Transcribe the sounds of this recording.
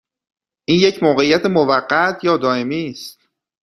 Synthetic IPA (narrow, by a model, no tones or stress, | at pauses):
ʔiːnje̞cʰmoːɣe̞ijːæt̪ʰemovæɢːæt̪ʰjɒːd̪ɒːe̞miːst̪̚